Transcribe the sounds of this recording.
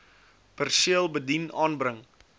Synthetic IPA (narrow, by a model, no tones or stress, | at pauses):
pərsiəlˠbədinɑːnbrəŋ